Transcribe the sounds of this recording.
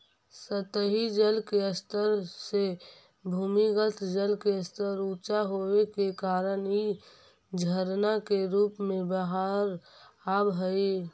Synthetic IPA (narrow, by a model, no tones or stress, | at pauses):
sət̪əɦid͡ʒəlkeəst̪əɾse | bʱuːmiɡət̪d͡ʒəlkeəst̪əɾut͡ʃaɦowekekaːɾəni | d͡ʒʱəɾnakeɾuːpmẽbəɦaɾaːbɦəi